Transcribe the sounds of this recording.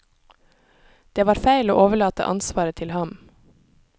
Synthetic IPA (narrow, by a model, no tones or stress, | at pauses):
d̪̥eːʋɑːɾfæɪlo̰ːʔoːʋəɭɑːt̪ə̰ʔɑ̰nsʋɑːɾət̪ʰɪlhɑm